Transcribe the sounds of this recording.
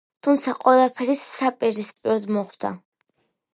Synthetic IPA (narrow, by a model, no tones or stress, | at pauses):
t̪ʰumt̪sʰaqʼwɛlˠapʰɛɾisapʼɛɾzispʼiɾɔd̪mɔχd̪a̰